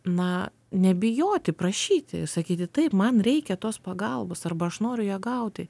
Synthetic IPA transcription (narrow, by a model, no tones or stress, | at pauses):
nɐ | nʲɛbʲɪjoːt̪ʲɪpɾɐʃʲiːt̪ʲɪsɐkʲiːt̪ʲɪt̪ɐɪpmɐnɾʲɛɪkʲɛt̪oːspɐɡɐlˠboːsɐrbɐɐʃnoːɾʲʊjɛːɡɐʊt̪ʲɪ